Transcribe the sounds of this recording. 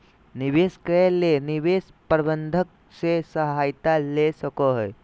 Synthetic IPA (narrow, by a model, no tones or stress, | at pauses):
niʋeskeleniʋes | pəɾbənd̪ʱək̚ | sesəɦajt̪alesəkoɦəj